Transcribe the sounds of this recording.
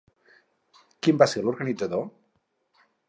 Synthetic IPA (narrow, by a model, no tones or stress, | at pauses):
kimbaseɾloɾɣanid͡zaðo